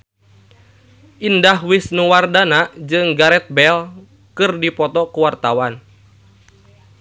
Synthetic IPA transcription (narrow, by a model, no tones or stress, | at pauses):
ʔindahwisnuwardanaʔd͡ʒɨŋɡaɾɛt̪̚bɛl | kɨrdipɔt̪ɔkuwart̪awan